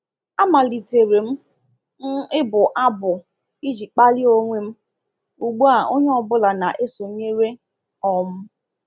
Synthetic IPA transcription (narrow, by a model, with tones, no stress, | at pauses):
a˦ma˨li˨te˨ɾe˨m̩˦ | n̩˦ɪ˦bʊ˨ʔa˦bʊ˨ | i˦d͡ʒi˨k͡pa˦lɪ˦o˦ŋʷe˦m̩˦ | u˨ɡ͡bu˦a˨o˦ɲe˦ɔ˦˨bʊ˦la˨na˨ʔe˦so˨˦ɲe˦ɾe˦ | ɔ˨m̩˦